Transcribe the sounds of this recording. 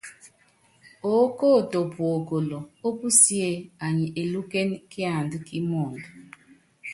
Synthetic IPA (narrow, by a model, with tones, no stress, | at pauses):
o˦ko˦˨to˨pwo˨ko˨lo˨o˦pu˦si˦e˦a˨ɲɪ˨ʔe˨lu˦ke˦n˦kɪ˦a˨n˨dʊ˦ki˦mo˨n˨